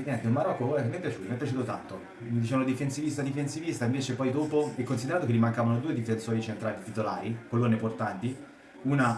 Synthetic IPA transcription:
ɲjɛnt̪eulmaɾɔkːoɛmːɛpːjat͡ʃuːt̪omɛpːjat͡ʃuːt̪ot̪ant̪o | mid̪it͡ʃɛːvanod̪ifensivist̪ad̪ifensivist̪aiɱveːt͡ʃepɔjd̪oːpoɛkːonsid̪eɾaːt̪okelːimaŋkaːvanod̪uːed̪ifensɔːɾit͡ʃent̪ɾaːliit̪it̪olaːɾikolːoneport̪ant̪i | una

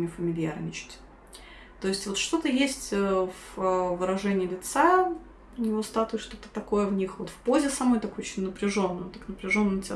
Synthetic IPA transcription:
nʲɪfəmʲɪlʲɪja̰ɾnʲɪt͡ɕɪ̥tʲ | t̪o̞ɪsʲtʲvo̞t̪ʂt̪o̞t̪əjesʲtʲəvəvɨɾɐʐɛnʲɪːlʲɪt̪sa | ʊnʲɪvo̞st̪at̪ʊɪʂt̪o̞t̪ə̥t̪ɐko̞jəvnʲixvo̞t̪fpo̞zʲɪsaɐmo̞jt̪ɐkojt͡ɕnʲnəpɾʲɪʐo̞nːɨjt̪aknəpɾʲɪʐo̞nːɨmtʲe

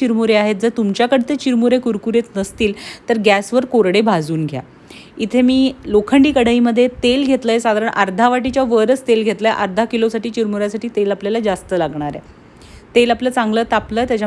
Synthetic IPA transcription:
iɾmuɾeaɦet̪̚d͡zəɾt̪umt͡ɕjakəɽt̪et͡ɕiɾmuɾekuɾkuɾet͡snəst̪iːlt̪əɾɡæsʋəɾkoɾɽebʱad͡zuːnɡʱja̰ | it̪ʰemiːlokʰəɳɖiːkəɽəiməd̪ʱːjet̪elɡʱet̪ləesad̪ʱaɾəɳʔəɾd̪ʱaʋaʈit͡ɕjaʋəɾət͡st̪elɡʱet̪ləeʔəɾd̪ʱakilosaʈiːt͡ɕiɾmuɾjasaʈiːt̪elapljalad͡zast̪əlaɡɳaɾḛ | t̪elapləːt͡sãŋɡləːt̪apləːt̪jat͡ɕa

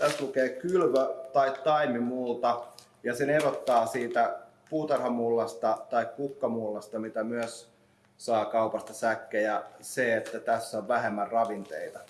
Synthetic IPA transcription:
t̪æslukeːkylʋøt̪ɑit̪tːɑimimult̪ɑ | jɑsenerot̪ːɑːsiːt̪æ | puːt̪ɑrhɑmulːɑst̪ɑt̪ɑikkukːɑmulːɑst̪ɑmit̪æmyøs | sɑːkɑupɑst̪ɑsækːejæseet̪ːæt̪æsːoʋʋæɦemːærrɑʋint̪ḛit̪ɑ

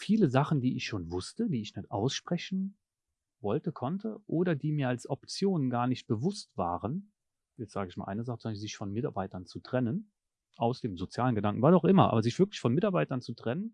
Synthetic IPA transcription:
fiːləzaχn̩diːɪçʃoːnvʊstədiːɪçnɛtʔa̰ʊsʃpʁ̥ɛçn̩ | vɔltəkʰɔntʰəʔoːdɐdiːmiːɐalsʔɔpt͡sjoːnənɡaːɐnɪçt̚b̥əvʊstv̥a̰ːʁən | jɛt͡stz̥aːɡəɪçma̰ːlʔa̰ɪnəzaχət͡suazɪçfɔnmɪtaɐbaɪtɐnt͡sutʁ̥ɛnən | ʔaʊsd̥eːmzot͡sjaːlənɡədaŋkŋ̩vasaʊxʔɪmɐʔa̰ːbɐzɪçv̥ɪɐklɪçfɔnmɪtaɐbaɪtɐnt͡sutʁ̥ɛnən

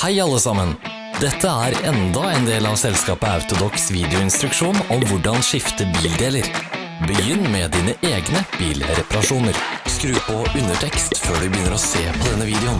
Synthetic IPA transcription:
hæɪɑlːəsɑmən | d̪ɛt̪ʰːəæɾɛnd̪ɑɛnd̪eːlɑʋsɛlskɑːpəɑʉt̪ʊd̪ɔksʋiːd̪ɪʊɪnst̪ɾʉkʂuːnɔmʋʊɖɑnʂɪft̪əbiːld̪eːləɾ | bəjʏnːmɛd̪iːnəʔeːɡnəb̥iːlɾɛpɑɾɑʂuːnəɾskɾʉːpɔʉnːəʈʰɛkst̪føːɖʉbəjʏnːəɾɔseːpʰɔd̪ɛnːəʋiːd̪ɛʊn

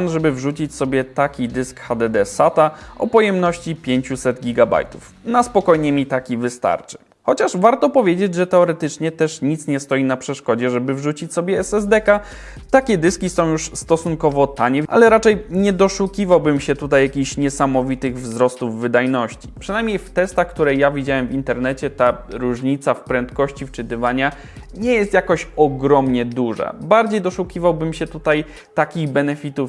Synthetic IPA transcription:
nʐɛbɘvʐut͡ɕit͡ɕsɔbʲjɛt̪akʲid̪ɘskxad̪ɛd̪ɛsat̪aɔ̰pɔjɛmnɔɕt͡ɕipʲjeɲt͡ɕusɛd̪ɡʲiɡaba̰jt̪u̥f | naspɔkɔjɲɛmʲit̪akʲivɘst̪a̰ɾt͡ʂɘ̥ | xɔt͡ɕaʂvaɾt̪ɔpɔvʲjed͡ʑed͡ʑʐɛt̪ɛɔɾɛt̪ɘt͡ʂɲɛt̪ɛʂɲit̪sɲɛst̪ɔjinapʂɛʂkɔd͡ʑɛʐɛbɘvʐut͡ɕit͡ɕsɔbʲjɛɛsɛzd̪ɛka | t̪akʲɛd̪ɘskʲisɔ̃w̃juʂst̪ɔsunkɔvɔt̪aɲɛa̰lɛɾat͡ʂɛjɲɛd̪ɔʂukʲivawbɘmɕɛt̪ut̪ajːakʲixɕɲɛsamɔvʲit̪ɘɣvzɾɔst̪uvːɘd̪ajnɔɕt͡ɕi̥pʂɨnajmʲɲejft̪ɛst̪axkt̪uɾɛjavʲid͡ʑawɛmvʲint̪ɛɾnɛt͡ɕɛt̪aɾuʐɲit̪safpɾɛnt̪kɔɕt͡ɕift͡ʂɘt̪ɘvaɲa | ɲɛjɛst̪jakɔɕɔɡɾɔmɲɛd̪uʐa̰baɾd͡ʑejd̪ɔʂukʲivawbɘmɕɛt̪ut̪aj | t̪akʲiɣbɛnɛfʲit̪uf

